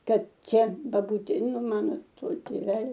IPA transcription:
ˈkɐt ˈt͡ʃʲɛ bɐˈbuːtʲeː nʊ ˈmɑːnoː ˈtoː tʲeːˈʋʲæːlʲoː

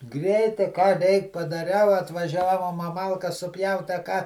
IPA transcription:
ˈɡrʲɛɪtɐɪ kɑː ˈrʲɛɪk pɐdɐˈrʲɛʊ ɐtʋɐˈʒʲæːʋoːm ɐ ˈmɐlˠkɐs sʊˈpʲjɛʊt ɐ ˈkɑː

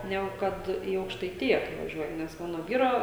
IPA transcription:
ˈnʲæːɡʊ ˈkɐt ɪ ɐʊkʃtɐɪˈtʲɪjɛ kɐɪ ʋɐˈʒʲuɔjɪ nʲɛs ˈmɑːnoː ˈʋʲiːroː

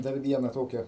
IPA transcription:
dɐr ˈʋʲiɛnɐ ˈtoːkʲɛ

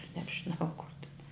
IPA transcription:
nʲɛbʲʒʲɪˈnɐʊ kʊr tʲɪn

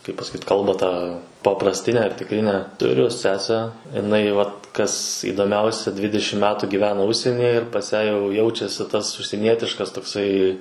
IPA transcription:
kɐɪp pɐsɐˈkʲiːt ˈkɐlˠbɑː tɑː pɐprɐsʲˈtʲɪnʲæː ɐr tʲɪkˈrʲɪnʲæː tʊˈrʲʊ ˈsʲæːsʲæː ɪˈnɐɪ ʋɐt kɐs iːdoːˈmʲɛʊsʲɛ ˈdʲʋʲɪdʲɛʃʲɪm ˈmʲæːtuː ɡʲiːˈʋʲæːnɐ ˈʊʃʲsʲiɛnʲiːjɛ ɪr pɐs ˈjæː jɛʊ ˈjɛʊt͡ʃʲɛsʲɪ tɐs ʊʃʲsʲiɛˈnʲiɛtʲɪʃkɐs toːkˈsɐɪ

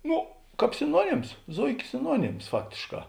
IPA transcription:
ˈnʊ ˈkɑːp sʲɪˈnuɔnʲɪms ˈzoːɪkʲeː sʲɪˈnuɔnʲɪms ˈfɑːktʲeːʃˌkɑː

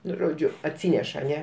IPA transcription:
ˈnʊ ˈʒoːd͡ʒʲʊ ɐtʲˈsʲiːnʲɛʃ ɐˈnʲɛ

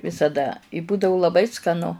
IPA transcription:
ʋʲɪsɐˈdɐ ɪ ˈbuːdɐʊ lˠɐˈbɐɪ skɐˈnʊ

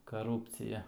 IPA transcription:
kɐˈruːpʲt͡sʲɪjɛ

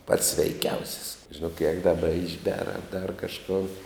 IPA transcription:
pɐts sʲʋʲɛɪˈkʲɛʊsʲɪs ʒʲɪˈnoːk jɛk dɐˈbɐ ɪʒʲˈbʲɛr ɐ dɐr kɐʃˈkoːn

